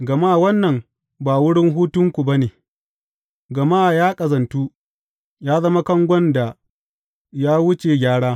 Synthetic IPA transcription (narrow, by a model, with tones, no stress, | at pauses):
ɡɐ˨maː˦˨wɐ˦nːɐ˨m | baː˨wʊ˦ɽɪ˦ŋɦuː˦tʊ˦ŋkʷu˨ba˦neː˨ | ɡɐ˨maː˦˨jaː˦kʼɐ˨zɐ˨ntuː˦ | jaː˦zɐ˦ma˦kɐ˦ŋɡʷɔ˦nda˨ | jaː˦wʊ˦t͡ʃeː˨ɡʲaː˦ɽaː˦